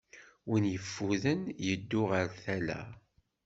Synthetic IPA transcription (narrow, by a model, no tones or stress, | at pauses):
winjəfːuðənjəd̪ːʊʁəɾθælæ̰